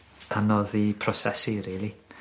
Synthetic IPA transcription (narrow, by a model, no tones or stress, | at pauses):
anɔðipʰrɔsɛsiɾiːlˠi